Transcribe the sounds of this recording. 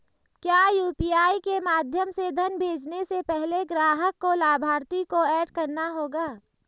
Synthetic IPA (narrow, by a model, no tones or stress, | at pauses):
kjaːjuːpiːaːikemaːd̪ʱjəmsed̪ʱənbʱeːd͡ʒnesepɛɦleɡɾaːɦəkːolaːbʱaːɾt̪ikoɛːɖkɐɾnaɦoːɡaː